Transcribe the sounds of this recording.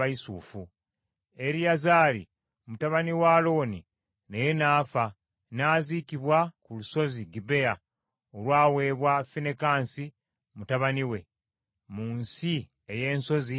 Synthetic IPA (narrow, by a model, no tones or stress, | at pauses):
aisuːfu | e̞ɾijazaːɾḭ | mutaβaniwaːlo̞ːni | nejenaːfa | naːziːkiβwakuluso̞ziɡibe̞a | olwaːwe̞ːβwafine̞kaːnsi | mutaβaniwe̞ | muːnsi | eje̞ːnso̞zi